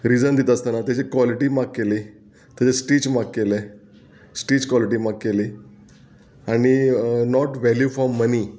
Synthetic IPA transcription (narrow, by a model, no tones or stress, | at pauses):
ɾid͡zənd̪it̪əst̪anat̪jat͡ɕekʋɔliʈiːmakːeli | t̪jat͡ɕesʈiːt͡ɕmakːele | sʈiːt͡ɕkʋɔliʈiːmakkːeli | aɽ̃inɔʈʋæljufɾɔmːəni